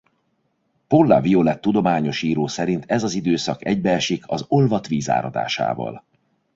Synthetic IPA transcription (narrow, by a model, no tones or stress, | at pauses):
polːa̰violɛt̪ːud̪o̞maːɲo̞ʃiːɾoːsɛɾint̪ɛzɒzid̪øːsɒkɛɟ̚bɛɛʃikʰɒzo̞lvɒt̪ʋiːza̰ːɾɒd̪a̰ːʃa̰ːvɒ̰l